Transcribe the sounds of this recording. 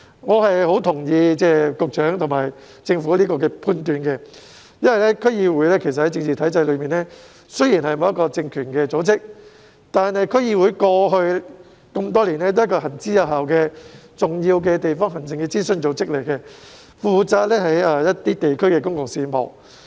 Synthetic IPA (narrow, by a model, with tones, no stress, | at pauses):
ŋɔː˨˧ɦɐ˨jɦo˨˥wt̪ʰʊ˨˩ŋjiː˨˧t͡sɛː˥kʊ˨k̚t͡ʃœː˨˥ŋt̪ʰʊ˨˩maː˨˩j | t͡sɪ˧ŋfuː˨˥liː˥kɔː˧kɛː˧pʰuː˧nt̪yː˨˧nkɛ˧ | jɐ˥nwɐ˨jlɛː˥kʰɵ˥ɥjiː˧wuː˨˥jlɛː˥kʰe˨˩s̬ɐt̚hɐ˨˥jt͡sɪ˧ŋt͡siː˨t̪ʰɐ˨˥jt͡sɐ˧jlɵ˨˧ɥmiː˨˩nɛː˥ | sɵ˥ɥjiː˨˩nhɐ˨jmo˨˧jɐ˥kːɔː˧t͡sɪ˧ŋkʰyː˨˩nkɛː˧t͡so˨˥wt͡sɪ˥k̚ | t̪aː˨nhɐ˨jkʰɵ˥ɥjiː˧wuː˨˥jkɔː˧ɦɵ˧ɥ | kɐ˧mt̪ɔː˥liː˨˩nlɛ˥t̪o˥jkɔː˧ɦɐ˨˩nt͡siː˥jɐ˨˧ɦaː˨wkɛː˧t͡sʊ˨˩ŋjiː˧wkɛ˧t̪e˨jfɔː˥ŋɦɐ˨˩nt͡sɪ˨ŋkɛː˧t͡siː˥sɵ˧nt͡so˨˥wt͡sɪ˥k̚le˨˩jkɛ˧ | fuː˨t͡saː˧t̚lɛː˥ɦɐ˨˥jɐ˨˧jɐ˥t̪iː˥t̪e˨jkʰɵ˥ɥkɛː˧kʊ˥ŋkʊ˨ŋsiː˧mo̰˨˩w